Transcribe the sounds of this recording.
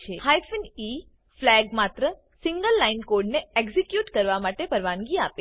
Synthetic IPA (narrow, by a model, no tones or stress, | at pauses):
t͡ʃʰehajfəni | flɛɡmat̪ɾə | sĩŋɡəlːainkoɾɖneekzikjuʈkəɾʋamaʈepəɾʋanɡiape